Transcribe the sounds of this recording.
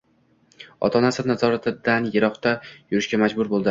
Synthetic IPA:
ɒ̰t̪ʰɒnasɪnazɒɾat̪ʰɪd̪anjeɾɒχt̪ʰajʊɾɪʃɡʲamad͡ʒbʊɾbolˠd̪ɪ

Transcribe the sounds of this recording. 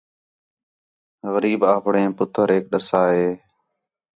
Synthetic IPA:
ɣəɾiːbaːpɳẽːpʊt̪ʰəɾeːk̚ɗəsaːɦeː

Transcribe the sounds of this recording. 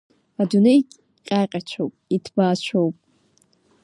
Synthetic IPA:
adunejʼ | qʲʼaqʲʼat͡ʃʷʰowpʼitʰbaːt͡ʃʷʰowpʼ

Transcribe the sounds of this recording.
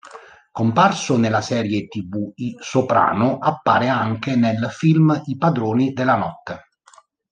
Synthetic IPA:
komparsʊnelasɛːɾjet̪ibuisopɾa̰ːnʊʔapːa̰ːɾeaŋk̟enelfilmipad̪ɾoːnid̪elːanɔt̪ːe

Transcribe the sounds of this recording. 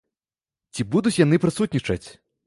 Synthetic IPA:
t͡sʲibud̪ut͡sʲjan̪ɨpɾɨsut̪ʲnʲit͡ʂɐt͡sʲ

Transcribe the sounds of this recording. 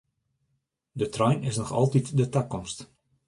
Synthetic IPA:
dətrɔjnɪsnɔxɑ̰lˠtitdətakɔmst

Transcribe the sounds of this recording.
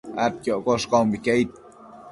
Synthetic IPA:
at̪̚kʲjoʔkoʃkombikeit̪̚

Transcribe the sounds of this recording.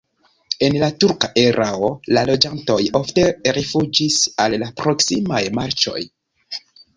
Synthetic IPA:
e̞nlatuɾkaʔeɾʔaolalo̞d͡ʒanto̞jo̞fte̞ɾifud͡ʒisalːapɾo̞ksimajmaɾt͡ʃo̞̰j

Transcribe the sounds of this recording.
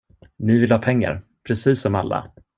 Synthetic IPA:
nɪvɪlhɑːpʰɛŋːa̰ɾ | pʰɾɛsiːsːɔmalːa̰

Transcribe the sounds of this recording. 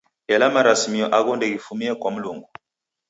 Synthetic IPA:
ɛlamaɾasmiɔʔaɣɔndɛɣifumiɛkwam̩luŋɡɔ

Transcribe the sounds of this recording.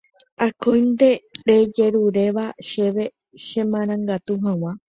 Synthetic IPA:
akõjnd̪e̞ɾed͡ʒe̞ɾuɾe̞ʋaʃe̞ʋe̞ | ʃẽmãɾ̃ãŋɡat̪uɦãw̃ã

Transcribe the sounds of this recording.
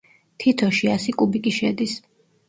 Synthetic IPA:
t̪ʰit̪ʰɔʃiasikʼubikʼiʃɛd̪is

